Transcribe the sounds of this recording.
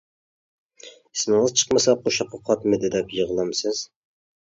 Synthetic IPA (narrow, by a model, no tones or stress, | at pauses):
ismɪŋɨzt͡ʃʰə̥qmɨsɑp̚qʰoʃɑqʰːɑqʰɑt̪mɨd̪ɪd̪ɛpjəʁlˠɑmsɨz̥